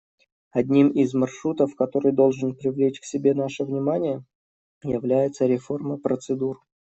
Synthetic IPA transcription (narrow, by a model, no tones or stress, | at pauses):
ɐd̪ʲnʲimɪzmɐrʂɾut̪əfkɐt̪o̞ɾɨjd̪o̞lˠʐɨnpɾʲɪvlʲet͡ɕksʲɪbʲe̞naʂəvnʲɪmanʲɪjə | jɪvlʲæjɪt̪səɾʲɪfo̞rməpɾət̪sɨd̪ur